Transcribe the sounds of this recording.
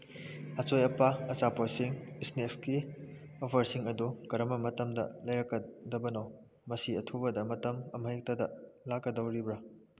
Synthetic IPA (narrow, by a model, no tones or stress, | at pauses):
ɐt͡ʃojɐpaɐt͡ʃapɐsiŋisnekski | opʰɐɾsiŋɐdukɐɾɐmɐmɐtɐmdɐ̰lɐjɾɐkːɐdɐbɐnɐw | mɐsiɐtʰubɐdɐmɐtɐmɐmɐek̚tɐdɐlakːɐdɐwɾibɾa